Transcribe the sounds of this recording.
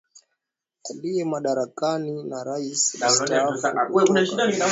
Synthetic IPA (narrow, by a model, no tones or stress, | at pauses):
aliɛmaɗaɾakaninaɾaistafawɛunaʃiɗania